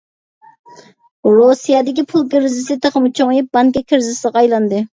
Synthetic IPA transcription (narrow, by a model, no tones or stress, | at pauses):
ɾosijɑd̪ɪkʲipʰulˠɡʲɪɾzɪsɪt̪ʰeχəmut͡ʃʰoŋjip̚bɑŋkʲɛkʲʰɪɾzɪsəʁɑjlˠɑnd̪ɨ